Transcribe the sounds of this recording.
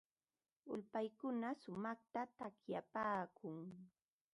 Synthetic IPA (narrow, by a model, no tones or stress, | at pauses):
ʊ̰lpajkʊnasʊmɑχt̪at̪akjapaːkʰʊŋ